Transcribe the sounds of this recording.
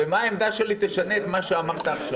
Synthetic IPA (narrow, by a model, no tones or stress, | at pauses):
emaaemd̪aʃe̞lit̪eʃane̞ːt̪maʃeamaʁt̪aːχʃa